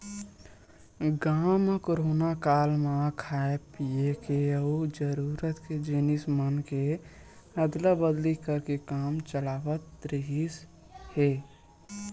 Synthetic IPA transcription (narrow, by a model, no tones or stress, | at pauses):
ɡaːmkoɾoːnakaːlmãkʰaepiekeəud͡ʒəɾuɾət̪ked͡ʒenismənke | əd̪ləbəd̪likəɾkekaːmt͡ʃəlaːʋət̪ːɾiɦis | he